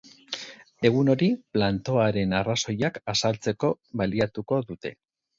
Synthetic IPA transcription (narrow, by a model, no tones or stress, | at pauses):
e̞ɣ̞uno̞ɾiplant̪o̞aɾe̞naraso̞jakasalt͡se̞ko̞βaliat̪uko̞ðut̪e̞